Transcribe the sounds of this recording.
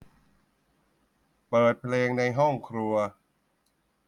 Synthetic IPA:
pɤː˨˩t̪̚pʰleː˧ŋna˧jɦɔ˥˩ŋkʰɾu˧ɐ

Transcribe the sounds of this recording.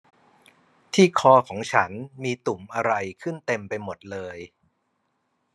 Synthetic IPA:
t̪ʰiː˥˩kʰɔː˧kʰɔː˩˦ŋt͡ɕʰa˦˥nmiː˧t̪u˨˩mʔa˧ɾa˧jkʰɯ˥˩nt̪e˧mpa˧jmo˨˩t̪̚lɤː˧j

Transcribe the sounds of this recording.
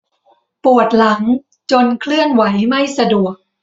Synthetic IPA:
pu˨˩ət̪̚la˩˦ŋ | t͡ɕo˧nkʰlɯ˥˩ənwa˩˦jma˥˩jsa˧du˨˩ək̚

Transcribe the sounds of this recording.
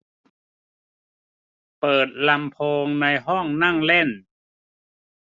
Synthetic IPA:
pɤː˨˩t̪̚la˧mpʰoː˧ŋna˧jɦɔ˥˩ŋna˥˩ŋle˥˩n

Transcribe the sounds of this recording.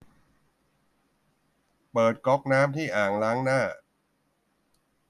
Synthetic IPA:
pɤː˨˩t̪̚kɔ˦˥k̚naː˦˥mt̪ʰiː˥˩ʔaː˨˩ŋlaː˦˥ŋnaː˥˩

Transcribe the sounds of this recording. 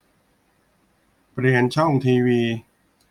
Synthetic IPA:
pɾi˧ənt͡ɕʰɔ˥˩ŋt̪ʰiː˧wiː˧

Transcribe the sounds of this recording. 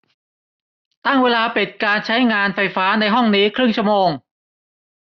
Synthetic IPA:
t̪a˥˩ŋweː˧laː˧pi˨˩t̪̚kaː˧nt͡ɕʰa˦˥jŋaː˧nfa˧jfaː˦˥na˧jɦɔ˥˩ŋniː˦˥kʰɾɯ˥˩ŋt͡ɕʰu˥˩moː˧ŋ

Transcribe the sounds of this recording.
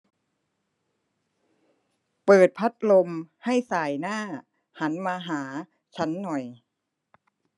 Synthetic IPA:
pɤː˨˩t̪̚pʰa˦˥t̪̚lo˧mha˥˩jsaː˨˩jnaː˥˩ | ha˩˦nmaː˧ɦaː˩˦ | t͡ɕʰa˦˥nːɔ˨˩j

